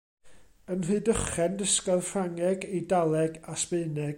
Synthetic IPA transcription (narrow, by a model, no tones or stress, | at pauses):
ənrɨɨdəχɛndəskɔðrraŋɛɡidalˠɛɡaspɨɨnɛɡ